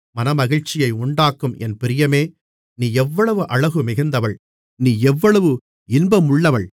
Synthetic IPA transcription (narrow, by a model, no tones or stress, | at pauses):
mɐnɐmɐɣɪɻt͡ʃːɪjɐɪʊɳɖaːkːɯmɛnpɪɾɪjɐmeː | niːɛʋːɐɭɐʋɯʔɐɻɐɣɯmɪɣɯnd̪ɐʋɐɭ | niːɛʋːɐɭɐʋɯ | ɪnbɐmʊɭːɐʋɐɭ